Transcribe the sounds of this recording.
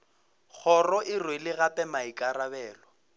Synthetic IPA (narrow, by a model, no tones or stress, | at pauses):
k͡xʰɔrɔʔɪrwelɪɣapʼɛmaɪkʼaɾabɛːlɔ